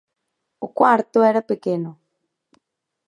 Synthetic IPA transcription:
ukwaɾt̪oɛɾapekeno

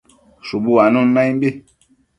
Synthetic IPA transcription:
ʃubuanunnajbi

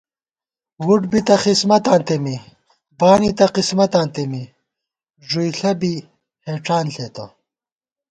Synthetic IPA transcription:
wuʈbit̪ɐxismɐt̪ãːnt̪emi | baːnit̪ɐqismɐt̪aːnt̪emi | ʐujɬɐbi | heːʈ͡ʂaːnɬet̪ɐ̰

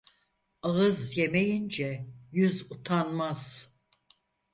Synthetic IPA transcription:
aɣɯzjemejind͡ʒɛjyzut̪ʰanmaz̥

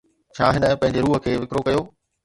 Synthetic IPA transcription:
t͡ɕʰaːɦɪnə̃pɐ̃ɦɪ̃ɲd͡ʑeɾuːɦəkʰeːʋɪkɾokɐjoː

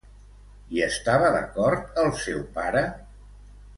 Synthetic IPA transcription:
iəst̪aβəðə̰kɔɾt̪əlˠsɛwpaɾə

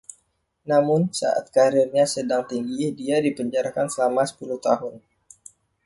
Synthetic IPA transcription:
namʊnsa̰ʔa̰t̪̚kaɾɪrɲasədaŋt̪iŋɡidiadipəɲd͡ʒaɾakansəlamasə̥pulʊht̪aɦʊn

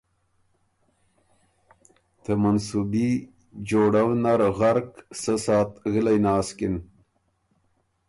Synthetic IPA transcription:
t̪ʰəmansubi | d͡ʑoːɽawnaɾɣaɾksəsɑːt̪ɣilajnaːskin

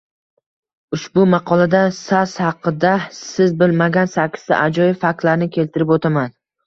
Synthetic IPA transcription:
ʊʃbʊmɑqʰɒlˠad̪asashɑqːɨd̪asɪzbɪlmaɡʲansakʰʲɪ̥st̪a̰ʔad͡ʒɒjɪfak̚t̪laɾnɪkʲʰe̞lt̪ʰɪɾɪpot̪ʰaman

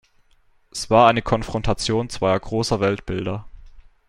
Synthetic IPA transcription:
ʔɛsv̥aːɐʔaɪnəkʰɔnfʁ̥ɔntʰat͡sjoːnt͡sv̥aɪɐɡʁoːsɐvɛltb̥ɪldɐ

